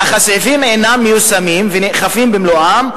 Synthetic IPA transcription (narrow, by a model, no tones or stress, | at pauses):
aχasefimenamːejusamimveneχafimbemloʔam